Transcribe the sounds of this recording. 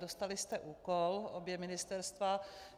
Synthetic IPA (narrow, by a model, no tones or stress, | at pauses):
do̞st̪alɪst̪ɛʔuːkolʔobjɛmɪnɪst̪ɛɾst̪va